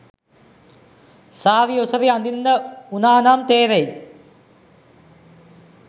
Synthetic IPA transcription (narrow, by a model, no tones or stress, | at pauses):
saːʋiosɐɾiɐnd̪inːəunaːnaːmt̪eːɾej